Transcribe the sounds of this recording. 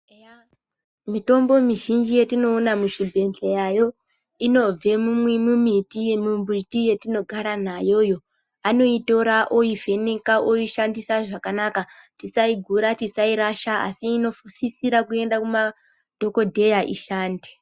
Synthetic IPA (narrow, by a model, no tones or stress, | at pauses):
mito̞mbo̞miʒind͡ʒijetino̞ːnamuʃibʱe̞nɬejajo̞ | ino̞b͡ve̞mumwemumitijemumbitije̞tino̞ɡʱaɾan̤ajo̞jo̞ | ano̞ito̞ɾaʔoive̞nekaʔoiʃandisaʐakanakatisaiɡʱuɾatisaiɾaʃaa̰siːno̞fusisiɾakue̞ndakuma | d̥ʱo̞ko̞dʱe̞jaʔḭʃaːnde̥